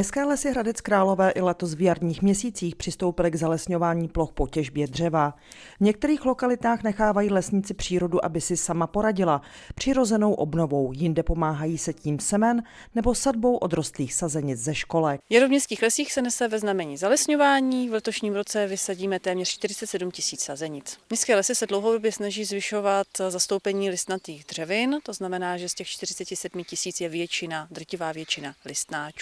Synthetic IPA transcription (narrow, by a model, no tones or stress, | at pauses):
ɲɛskɛːlɛsɪɦɾadɛt͡skɾaːlo̞vɛːʔɪlɛt̪osvjaɾdɲiːxmɲɛsiːt͡siːxpr̝̥ɪst̪o̞wpɪlɪɡzalɛsɲo̞vaːɲiːplo̞xpo̞cɛʒbjɛdr̝ɛva | vɲɛk̚t̪ɛɾiːxlo̞kalɪt̪aːxnɛxaːvajiːlɛsɲɪt͡sɪpr̝̥iːɾo̞duʔa̰bɪsɪsamapo̞ɾaɟɪla | pr̝̥ɪɾo̞zɛno̞wʔo̞bno̞vo̞wjɪndɛpo̞maːɦajiːsɛciːmsɛmɛnː | ɛbo̞sadbo̞wʔo̞d̪ɾo̞st̪liːxsazɛɲɪt͡szɛʃko̞lɛjaɾovmɲɛst̪kiːxlɛsiːxsɛnɛsɛvɛznamɛɲiːzalɛsɲovaːɲiːvlɛt̪o̞ʃɲiːmɾo̞t͡sɛvɪsaɟiːmɛt̪ɛːmɲɛr̥t͡ʃt̪ɪɾɪt͡sɛt̪sɛdumcɪsiːt͡ssazɛɲɪt͡smɲɛst̪kɛːlɛsɪsɛdlo̞wɦowdobjɛsnaʒiːzvɪʃovat̪zast̪o̞wpɛɲiːlɪst̪nat̪iːɣd̪r̝̥ɛvɪnt̪o̞znamɛnaːʒɛscɛxt͡ʃt̪ɪɾɪt͡sɛcɪsɛdmɪcɪsiːt͡sjɛvjɛt͡ʃɪnad̪r̩cɪvaːvjɛt͡ʃɪnalɪst̪naːt͡ʃ